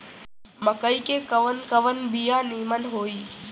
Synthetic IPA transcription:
məkəikekəʋənkəʋənbijãːniːmənɦoːiː

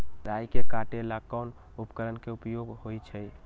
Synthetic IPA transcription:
ɾajkekaʈelakːan | upkəɾənkeupjoɡhojt͡ʃʰɛ

